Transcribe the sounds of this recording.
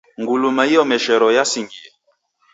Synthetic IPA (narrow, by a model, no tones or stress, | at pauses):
ŋɡulumaiɔmɛʃɛɾɔjasiŋɡiɛ